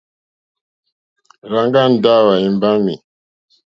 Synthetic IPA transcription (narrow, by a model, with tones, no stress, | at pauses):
ɾa˨ŋɡa˦˨n̩˨da˦˨wa˨i˨mba˦mḭ˨